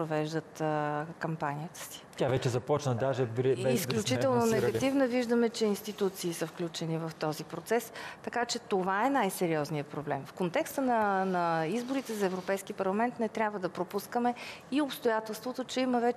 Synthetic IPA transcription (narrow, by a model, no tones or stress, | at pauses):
pɾovɛʒd̪ət̪kɐmpanijət̪ə̥si̥tʲavɛt͡ʃɛzɐpɔt͡ʃnəd̪aʒɛbɾɛɛisk̪klʲut͡ʃit̪ɛlˠnonɛɡɐivnəviʒd̪əmɛt͡ʃɛinst̪it̪ut̪siːsəfklʲut͡ʃɛnivɐft̪ɔzipɾot̪sɛst̪ɐkat͡ʃɛt̪ovaɛnajsɛɾiɔznijəpɾoblɛ̰mfkont̪ɛkst̪ənənɐizboɾit̪ɛzɐɛvɾopɛjskiəpɐɾlˠɐmɛnt̪nɛt̪ɾʲjabvəd̪ɐpɾopuskəmɛiopst̪ojat̪ɛlˠst̪vot̪ot͡ʃɛiməvɛ